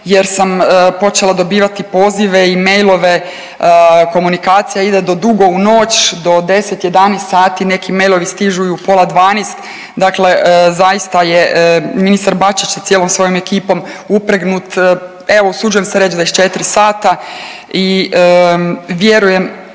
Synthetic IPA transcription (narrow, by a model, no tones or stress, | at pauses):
je̞ɾsampo̞t͡ʃe̞lˠad̪o̞biːʋat̪ipo̞ːziʋe̞ime̞jlˠo̞ʋe̞ | ko̞munikaːt̪sijaid̪e̞d̪o̞d̪uɡo̞uno̞ːt͡ʃd̪o̞d̪e̞se̞t̪je̞d̪anest̪saːt̪ine̞kime̞jlˠo̞ʋist̪iʒuiupo̞lˠad̪ʋaːneːst̪ | d̪akle̞zajist̪ajeminisaɾbat͡ʃit͡ʃjet̪sjelo̞msʋo̞ːjome̞kiːpo̞mupɾeɡnut̪ | eʋousud͡ʒujemseɾet͡ʃzaiʃt͡ʃe̞t̪ɾisaːt̪a | i | ʋje̞ɾuje̞m